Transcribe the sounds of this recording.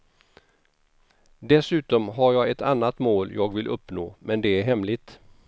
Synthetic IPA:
d̪ɛsʉ̟ːt̪ɔmɦaɾjɑːɡɛt̪anːat̪moːljʔɑːɡvɪlʔɵpːnoːmɛnd̪ɛæɾɦɛmlɪɡt̪

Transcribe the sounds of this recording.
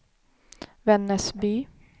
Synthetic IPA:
vɛnːəsbyː

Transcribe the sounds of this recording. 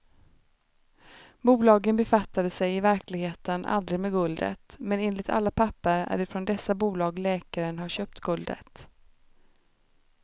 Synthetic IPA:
buːlɑːɡənbɛfat̪ːad̪əsɛjɪvæɾklɪɡheːt̪ənʔa̰ld̪ɾɪɡmeːɡɵld̪ə̰t̪mɛneːnlɪt̪ʰa̰lːapʰapːəɾæ̰ɖɛfɾɔnd̪ɛsːabuːlɑːɡlɛːkaɾənhaɕøːp̚t̪ɡɵld̪ə̰t̪

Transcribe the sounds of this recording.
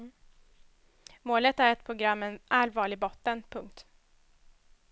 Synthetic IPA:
moːlət̪æɾɛt̪̚pʰɾʊɡɾamːɛnʔalvɑːɭɪɡ̚bɔt̪ːənpʰɵŋk̚t̪

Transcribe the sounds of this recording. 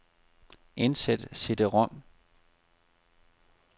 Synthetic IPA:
ensed̥sed̥əʁɔm̰

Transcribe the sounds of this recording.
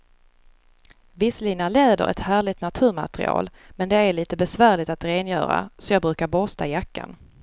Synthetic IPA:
vɪsliːnaleːd̪ə̰ɾʔɛ̰t̪hæːɭɪt̪nat̪ʰʉ̟ːɾma̰t̪ɾɪ̰ɑ̰ːl | mɛnd̪ɛæɭiːt̪əbɛsvæːɭɪt̪at̪ɾeːnjœ̰ːɾa̰sɔjɑːɡbɾʉ̟ːkaɾbɔst̪aɪjakːa̰n

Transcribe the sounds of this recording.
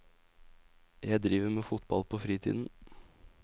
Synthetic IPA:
jæɪd̪ɾiːʋəmeːfʊt̪bɑlpʰoːfɾiːt̪ʰḭd̪n̩

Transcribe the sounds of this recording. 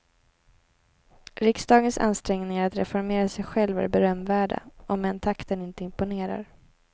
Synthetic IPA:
ɾɪksd̪ɑːɡənsa̰nst̪ɾɛŋnɪŋaɾat̪ɾɛ̰fɔɾmeːɾasɛjɧɛlva̰ɾbɛɾœmːvæːɖa̰ɔmːɛnt̪ʰakt̪ənɪnt̪əɪmpʊneːɾa̰ɾ

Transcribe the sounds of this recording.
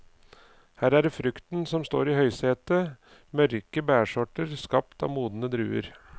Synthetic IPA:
hæːɾæːɾfɾʉkt̪n̩sɔmst̪o̰ːɾiːhœʏseːt̪ə | mœɾkəbæːʂɔʈəɾskɑp̚t̪ɑ̰ːmuːd̪n̩əd̪ɾʉːə̰ɾ

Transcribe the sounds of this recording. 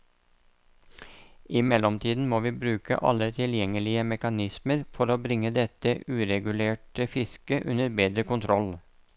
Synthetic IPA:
ɪmɛlɔmt̪ʰiːd̪n̩moːʋiːbɾʉːkə̰ʔɑ̰lət̪ʰɪljɛŋəlɪəmɛkɑnɪsməɾfɔɾoːbɾɪŋəd̪ɛt̪əʔʉːɾɛɡʉleːʈəfɪskəʔʉnəɾbeːd̪ɾəkʊnt̪ʰɾɔl

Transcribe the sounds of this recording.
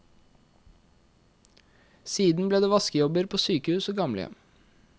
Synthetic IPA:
siːd̪n̩bleːd̪eːʋɑskəjɔbəɾpʰoːsyːkəhʉːsoːɡɑmlə̰jɛ̰m

